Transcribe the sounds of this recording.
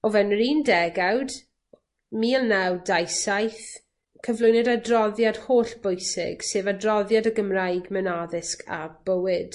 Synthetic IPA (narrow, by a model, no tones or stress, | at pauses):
ɔvɛnriːndɛɡawd | miːɛlˠnawdajsajθ | kʰəvlˠʊjnɛdadrɔðjad̥hoːɬb̥ʊjsɪ̰ɡ̥seːvadrɔðjadəɡəmrajɡmɛnaðɪskʰa̰b̥əwɪd̥